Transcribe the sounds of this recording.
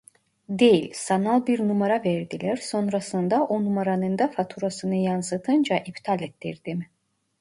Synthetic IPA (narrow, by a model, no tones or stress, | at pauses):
d̪e̞jilʲsanalˠbiɾnumaɾavɛɾd̪ilʲæɾso̞nɾasɯnd̪aʔonumaɾanɯnd̪afat̪ʰuɾasɯnɯjansɯt̪ʰɯnd͡ʒaʔipt̪ʰalʲet̪ʰːiɾd̪̥im